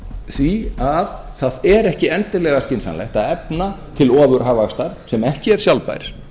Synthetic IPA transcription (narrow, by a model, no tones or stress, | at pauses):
θviað | θaðɛɾɛhcɪɛnt̪ɪlɛɣascɪnsanlɛ̰ht̪aɛpnat̪ʰɪlɔːðʏɾ̥ɦaːvaxst̪aɾ̥sɛmɛhcɪɛɾ̥sjawlpa̰ːjɾ̥